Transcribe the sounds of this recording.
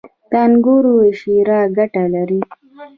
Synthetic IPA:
t̪aːnɡoɾuʃiɾaɡaʈalaɾi

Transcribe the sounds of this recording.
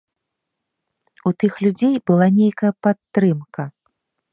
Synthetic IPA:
ut̪ɨxlʲud͡zʲejbɨlˠanʲejkɐjɐpat̪ːɾɨmkɐ

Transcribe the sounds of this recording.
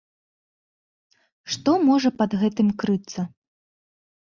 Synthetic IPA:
ʂt̪ɔmɔʐɐpɐd̪ɣɛt̪ɨmkɾɨt̪sːɐ

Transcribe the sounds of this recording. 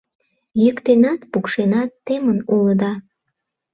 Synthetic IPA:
jəkt̪enɑt̪pukʃenɑt̪ːemənuləd̪ɑ

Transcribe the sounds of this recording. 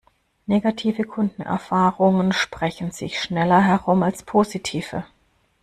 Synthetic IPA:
neːɡatʰiːvəkʰʊndn̩ʔɛ̰ɐfaːʁʊŋənʃpʁ̥ɛçn̩z̥ɪ̰çʃnɛlɐɦɛɐʁʊmalspʰoːzitʰiːv̥ə̰

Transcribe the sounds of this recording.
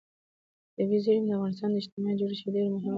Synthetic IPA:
d̪əɡiziɾimd̪əafɣɑnɪs̬t̪ɑnd̪əɪʃt̪ɪmɑd͡ʒoɾiʃideɾmʊɦɪm

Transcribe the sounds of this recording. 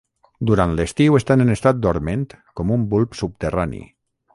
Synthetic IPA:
d̪uɾant̪lest̪iwest̪anenest̪at̪̚d̪oɾmẽnt̪kɔmumbulˠpsup̚t̪eranḭ

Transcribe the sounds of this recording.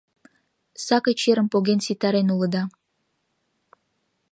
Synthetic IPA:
sɑkɤjt͡ɕeɾə̆mpoɣensit̪ɑɾenulə̆d̪ɑ

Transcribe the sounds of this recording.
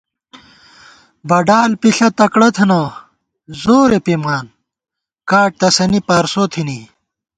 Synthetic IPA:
bɐɖaːlpiɬɐt̪ɐkɽɐt̪ʰɐnɐ | zoːɾepimaːn | kaːʈ̚t̪ɐsɐnipaːɾsot̪ʰini

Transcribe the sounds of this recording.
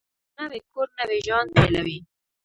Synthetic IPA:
nawekoɾnaweʒɑnpelawi

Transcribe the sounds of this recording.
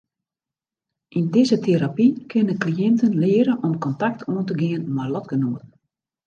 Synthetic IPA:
ʔindɪzətʰeɾapikʰɪnənkliɪntənlɪəɾəʔɔmkɔntak̚tʰoəntəɡiənmarlɔt̚ɡ̥ənuət̩

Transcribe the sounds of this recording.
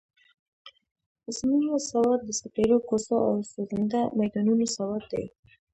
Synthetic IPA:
əzminasawat̪̚d̪əsapeɾokosoawsozɪnd̪amajd̪ɔnunosawat̪̚d̪ḛj

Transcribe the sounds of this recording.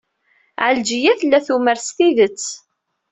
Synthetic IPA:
ʕəld͡ʒijæθəlːæθuməɾsθiðət͡sː

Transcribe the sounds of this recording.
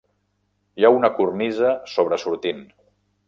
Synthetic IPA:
jaunəkurnizəsoβ̞ɾəsuɾt̪in

